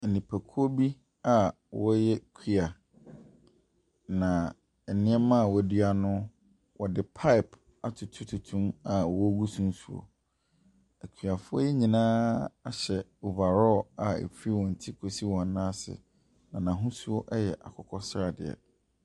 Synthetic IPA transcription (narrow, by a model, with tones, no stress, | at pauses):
nĩ˨pʰæ˨kʰu˦o˦bi˦ | a˨ | wɔ˦jɛ˦kʰi˦a˨ | nã˨ | ɛ˨nɪ̃˦ɛ˦mã˦˨wɔ˦dɥa˨nʊ̃˦ | wʔɔ˨dɪ˨pʰa˦ɪ˨p | a˨tʰʊ˨tʰu˦tʰu˨tʰũ˦ma˨wɔ˦ɡu˦sũ˦n˦su˨o̰˨ | æ˨kʰi˨a˨fʊ˦ɔ˦jɛ˦ɲĩ˨nãː˦a˦ɕɛ˨u˨ba˨ɾɔ˦˨a˨ḛ˨fi˦wɔ̃˨n̩˨tʰi˦kʰo˨si˦wɔ̃˨n˦nã˦sɪ̰˨ | nã˨nã˨ɦʊ̃˦su˦o˦ʔɛ˦jɛ˨ʔa̰˨kʰɔ˦kʰɔ˦sɾa˨dɪ̰˨ɛ̰˨